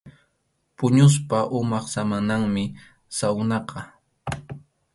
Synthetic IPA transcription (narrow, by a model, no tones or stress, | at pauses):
pʊɲʊs̬paʔʊmɑχsamanaŋmɪ | sawnɑqɑ